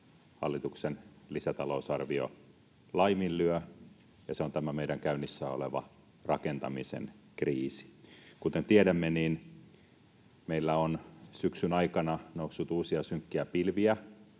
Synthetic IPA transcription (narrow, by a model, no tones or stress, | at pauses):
hɑ̰lːit̪uksenlisæt̪ɑlousɑrʋio̰ | lɑimillyø | jɑseont̪æmæmeiɾæŋkæynːisːæːoleʋɑ̰ | rɑkent̪ɑmisḛnkriːsi̥kut̪ent̪ieɾæmːeniːn | meilːæonsyksynɑikɑnɑnousːut̪uːsiɑsyŋkːiæpilʋiæ